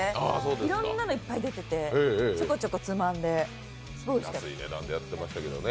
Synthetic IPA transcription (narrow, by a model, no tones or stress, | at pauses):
aːsoːd̪eiɾõ̞nnːano̞ipːaid̪e̞t̪e̞t̪e̞eːeːt͡ɕokot͡ɕokːot͡sɨmãnd̪e̞ | sɡoiiat̪asɨḭnḛd̪ã̰nd̪e̞jat̪ːe̞maɕi̥t̪ake̞d̪o̰ne